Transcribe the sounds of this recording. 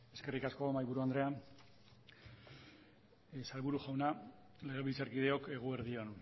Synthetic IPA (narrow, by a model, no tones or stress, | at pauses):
e̞ske̞rikasko̞majβuɾuand̪ɾe̞an | saɾβuɾuʝawna | le̞ɣ̞e̞βilt͡saɾkið̞e̞oke̞ɣ̞ueɾðio̞n